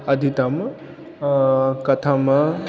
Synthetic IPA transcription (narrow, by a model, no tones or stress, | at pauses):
ɐd̪ʱit̪ɐm | kɐt̪ʰɐm